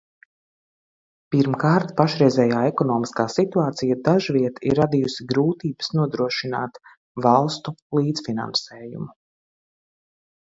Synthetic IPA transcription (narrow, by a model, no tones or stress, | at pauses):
piɾmkaːɾt̪paʃɾɛjzɛːjaːɛkɔnɔːmiskaːsit̪uaːt̪sijad̪aʒviɛt̪ḭɾːad̪ijusiɡɾuːt̪iːbə̥snuɔd̪ɾuɔʃina̰ːt̪ | valˠst̪ulˠiːd̪fina̰nsɛːjṵmu